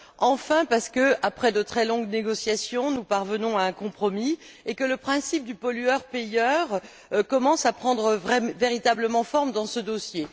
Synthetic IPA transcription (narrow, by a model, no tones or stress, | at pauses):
ɑ̃fɛ̃paʁsə̥kəapχɛd̪ət̪χɛlɔ̃ɡneɡɔsjasjɔ̃nupaʁvənɔ̃aɛ̃kɔ̃pχɔmi | ekələpχɛ̃sip̚d̪ypɔlyœʁpejœʁ | kɔmɑ̃sapχɑ̃d̪ʁəɛveʁit̪abləmɑ̃fɔʁmd̪ɑ̃səd̪osje